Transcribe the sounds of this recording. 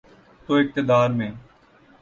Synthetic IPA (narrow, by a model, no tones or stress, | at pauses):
t̪oːɪk̚t̪ɪd̪aːɾmẽː